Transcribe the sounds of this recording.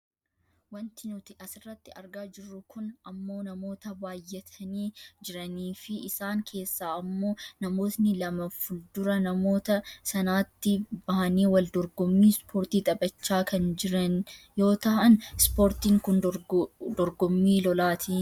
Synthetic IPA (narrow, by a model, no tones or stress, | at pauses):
wɐnt̪ɪnʊt̪ɪʔɐsɪrːɐt̪ːɪɐɾɡaːd͡ʒɪrːʊkʰʊnɐmːo̞ːnɐmo̞ːt̪ɐbaːjːɛt̪ʰɐniːd͡ʒɪɾɐniːfɪɪsaːŋkʰe̞ːsːaːɐmːo̞ːnɐmo̞ːt̪nɪlɐmɐfʊld̪ʊɾɐnɐmo̞ːt̪ɐsɐnaːt̪ːɪbɐhɐniːwɐld̪ɔɾɡɔmːiːspʰoːɾt̪iːt̪ʼɐbɐt͡ʃːaːkɐnd͡ʒɪɾɐnjo̞ːt̪ɐhɐnspo̞ːɾt̪iːŋkʊn | d̪ɔɾɡɔmːiːlɔlaːt̪ʰiː